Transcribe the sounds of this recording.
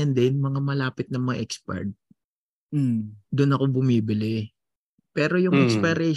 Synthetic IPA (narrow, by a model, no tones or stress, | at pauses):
ɐnd̪ɛnmɐŋamɐlaːpɪt̪̚nɐmɐŋa̰ʔɛkspɛ̰ɹt̪̩̚ | d̪ʊnɐko̞bʊmiːbɪlɪ | pɛːɾo̞jʊŋʔɛkspɐɾɛ